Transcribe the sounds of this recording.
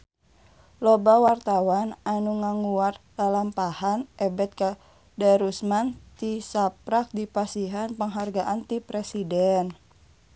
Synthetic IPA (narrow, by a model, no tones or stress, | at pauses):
lobawart̪awananuŋaŋuat̪dalampahanʔɛbɛt̪̚ka | daɾusmant̪isapɾak̚dipasiɦanpəŋɦarɡaʔant̪ipɾɛsidɛn